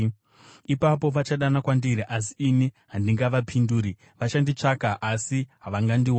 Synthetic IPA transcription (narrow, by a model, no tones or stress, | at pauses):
ipapo̞ʋat͡ʃaɗanakwandiɾiʔas̬iːniɦandiŋɡaʋapʰinduːɾi | ʋaʃandit͡ʂakaʔasiɦaʋaŋɡandiwa